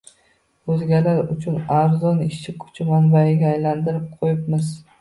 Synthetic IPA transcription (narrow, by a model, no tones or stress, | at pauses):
ɵzɡʲalaɾʊt͡ʃʰʊnaɾzɒnɪʃt͡ʃʰɪkʰʊ̥t͡ʃʰɪmanbaɪɡʲaːjland̪ɪɾɪp̚qʰojɪpmɪz